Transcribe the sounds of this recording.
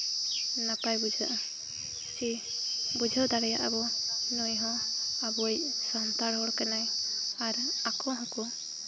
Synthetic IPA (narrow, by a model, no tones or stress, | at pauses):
napajbud͡ʒʱaʔa | si | bud͡ʒʱawd̪aɽɛja̰ʔabɔnɔjɦɔ̃abɔjsɔnt̪aɽɦɔɽkɛnajaɾakɔɦɔ̃kɔ